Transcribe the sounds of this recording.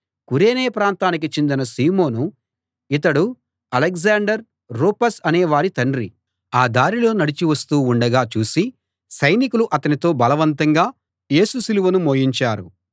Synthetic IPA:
kuɾe̞ːneːpɾaːnt̪aːnik̬it͡ʃend̪inɐsiːmo̞ːnu | it̪̬ɐɽu | ɐlekzaːɳɖɐɾː | oːpɐsɐneːʋaːɾit̪ɐɳɾi | aːd̪aːɾilo̞ːnɐɽit͡ʃiʋɐst̪uːuɳɖɐɡaːt͡ʃuːsi | sɐjnikuluʔɐt̪ɐnit̪o̞ːbɐlɐʋɐnt̪ɐŋɡaː | je̞ːsusiluʋɐnumoːjiɲt͡ʃaːɾu

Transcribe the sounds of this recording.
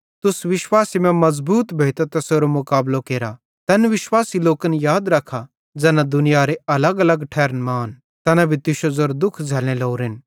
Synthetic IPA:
t̪ʊsʋɪʃwaːsimɛ̃mɐzbuːt̪bʱeːt̪ot̪ɐsoːɾomʊkaːblokeːɾa | t̪ɛnʋɪʃwaːsiloːkənjaːd̪ɾɐkʰa | d͡ʒɛːnãd̪ʊnɪjaɾeɐləɡɐləɡʈʰɛːɾnmaːn | t̪ɛːnabʱit̪ɪʃozoːɾd̪ʊkʰd͡zʱɛːl̃ẽloːɾɪn

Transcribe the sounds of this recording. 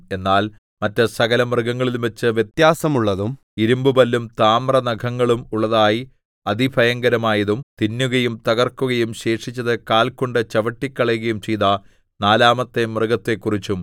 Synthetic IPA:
e̞nːaːl | mɐtːɨsɐɣɐlɐmrɨɡɐŋːɐɭilumʋɐt͡ɕːɨʋje̞t̪jaːsɐmuɭːɐðum | iɾumbɨbɐlːumt̪aːmrɐnɐɡʰʱɐŋːɐɭumuɭːɐðaːji | ɐd̪ibʱɐjɐŋɡɐɾɐmaːjɐðumt̪inːuɣɐjumt̪ɐɣɐrkuɣɐjumɕe̞ːʂit͡ɕːɐðɨkaːlkoɳɖɨt͡ɕɐʋɐʈːikʲːɐɭɐjuɣɐjumt͡ɕejðɐ | naːlaːmɐt̪ːemrɨɡɐt̪ːe̞kːurit͡ɕːum

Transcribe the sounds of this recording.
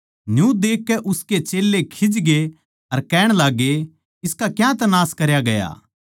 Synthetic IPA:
njũd̪eːkːɛʔʊsket͡ʃeːlːekʰɪd͡ʒɡe | ɐɾkɛːɽ̃laːɡːe | ɪskakjãt̪ɐnaːskɐɾjaɡɐja̰ː

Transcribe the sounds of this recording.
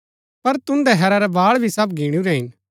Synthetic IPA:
pɐɾt̪ʊ̃nd̪ɛɦɛːɾaɾɛbaːɭbʱisɐbɡʱiːɽ̃ũɾɛɦɪn

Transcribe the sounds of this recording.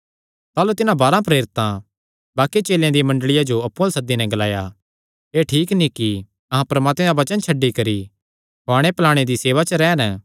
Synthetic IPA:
t̪aːlut̪ɪnãbaːɾãpɾeːɾɪt̪ã | baːkit͡ʃeːljãd̪imɐ̃ɳɖɭɪjad͡ʒoɐpːʊ̃lsɐd̪ːinɛ̃ɡɐlaːja | eːʈʰiːknĩki | ɐɦãpɐɾɐmaːt̪mẽɾaʋɐt͡ʃənt͡ʃʰɐɖːikɐɾi | ɦoaːɽ̃epɐlaːɽ̃ed̪iseːʋat͡ʃəɾɛːn

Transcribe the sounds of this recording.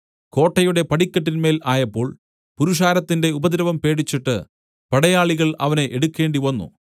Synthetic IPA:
ko̞ːʈːɐjuɽe̞pɐɽikʲːɐʈ̬ːinme̞ːlaːjɐpːo̞ːɭ | puɾuʂ̬aːɾɐt̪ːinde̞ubɐðiɾɐʋɐmpe̞ːɽit͡ɕːiʈːɨ | pɐɽɐjaːɭiɣɐɭɐ̰ʋɐne̞ʔeɽukːe̞ːɳɖiʋɐnːṵ

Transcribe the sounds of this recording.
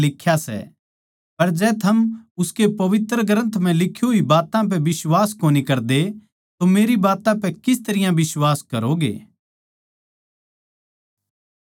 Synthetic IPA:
lɪkʰːjasɛ̰ | pɐɾd͡ʒɛːt̪ʰɐmʊskepɐʋɪt̪ɾəɡɾə̃nt̪m̤ɛ̃lɪkʰːjoɦibaːt̪ãp̬ɛʋɪswaːskoːnikɐɾd̪e | t̪omeːɾibaːt̪ãpɛkɪs̬t̪ɐɾɪjãbɪswaːskɐ̰ɾoɡḛː

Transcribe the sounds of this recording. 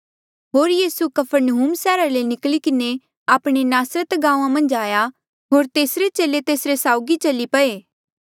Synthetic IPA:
ɦoːɾjiːsukɐpʰəɾnəɦuːmsɛːɾalenɪklikɪne | aːpɽ̃enaːsɾət̪ɡãːũãmɐ̃nd͡ʒaːja | ɦoːɾt̪eːsɾet͡ʃeːlet̪eːsɾesaːʊɡit͡ʃɐlipɐeː

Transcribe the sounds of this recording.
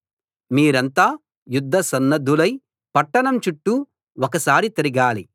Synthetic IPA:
miːɾɐnt̪aː | jud̪ʱːɐsɐnːɐd̪ʱːulɐj | pɐʈːɐɳɐmt͡ʃuʈːu | wɔkɐsaːɾit̪ɐɾiɡaːlḭ

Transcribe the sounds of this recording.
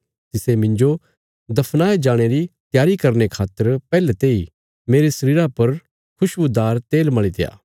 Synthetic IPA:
t̪ɪsemɪ̃ɲd͡ʒo | d̪ɐpʰnaːed͡ʒaːɽ̃eɾit̪jaːɾikɐɾnekʰaːt̪ːəɾpɛːlet̪eːi | meːɾesɐɾiːɾapɐɾ | kʰʊʃʊd̪aːɾt̪eːlmɐɭit̪eja̰ː

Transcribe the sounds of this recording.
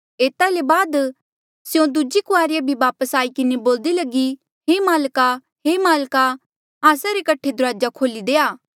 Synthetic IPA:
eːt̪alebaːd̪ | sɪjõd̪ʊd͡ʒikʊaːɾɪjabʱibaːpəsaːikɪneboːld̪ilɐɡi | ɦemaːlka | ɦeːmaːlka | aːsaɾekɐʈʰed̪ʊɾaːd͡ʒakʰoːlid̪eːaː

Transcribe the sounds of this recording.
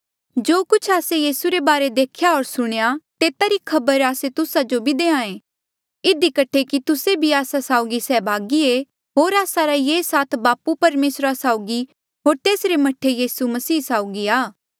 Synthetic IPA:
d͡ʒoːkʊt͡ʃʰaːsejiːsuɾebaːɾed̪eːkʰjaɦoːɾsʊɽ̃ejat̪eːt̪aɾikʰɐbəɾaːset̪ʊsad͡ʒobʱid̪eːãːẽː | ɪd̪ikɐʈʰekit̪ʊsebʱiaːsasaːʊɡisɛːbʱaːɡie | ɦoːɾaːsaɾajeːsaːt̪ʰbaːpupɐɾmeːsɾasaːʊɡi | ɦoːɾt̪eːsɾemɐʈʰejiːsumɐsiːsaːʊɡiaː

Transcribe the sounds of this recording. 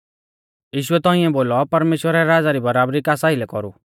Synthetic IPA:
jiːʃuɛt̪ɔĩɛ̃boːlɔpɐɾmeːʃwəɾaɾaːd͡zaɾibɐɾaːbɾikaːsailɛkɔɾṵ

